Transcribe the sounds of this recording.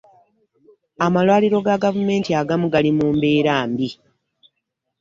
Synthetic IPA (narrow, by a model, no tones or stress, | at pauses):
amalwaːliɾo̞ɡaɡavume̞ːntiaɡamuɡalimuːmbe̞ːɾaːmbi